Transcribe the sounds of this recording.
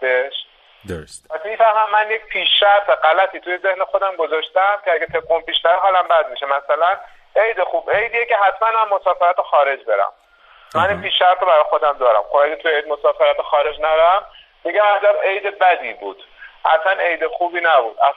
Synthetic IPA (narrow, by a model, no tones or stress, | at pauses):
eʃ | pæsimiːfæhmæmːænjec̚pʰiːʃːæɾt̪ʰeɢælæt̪ʰiːt̪ʰujeze̞hnexo̞d̪æmɡozɒːʃt̪æmcʰeæɡet̪ʰeɡumpiːʃnæveɦɒːlæmbæd̪̚miʃemæsælæn | e̞jd̪exuːbe̞jd̪ijece̞ɦæt̪ʰmænmæmːo̞sɒːfeɾæt̪exɒːɾe̞d͡ʒbe̞ɾæ̰m | mæninpiːʃːæɾt̪ɾobæɾɒːjxo̞d̪æmd̪ɒːɾæ̰mxobæɡet̪ʰujejd̪mosɒːfeɾæt̪ʰexɒːɾe̞d͡ʒnæɾæm | mːiːɟæmæzæme̞jd̪ebæd̪iːbuːd̪̥hæ̰t̪ʰmæne̞jd̪exuːbiːnæbuːd̪ʔæ̰